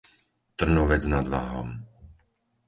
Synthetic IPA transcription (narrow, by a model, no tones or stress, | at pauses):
t̪r̩nuːʋɛd͡znad̪ʋa̰ːɦɔ̰m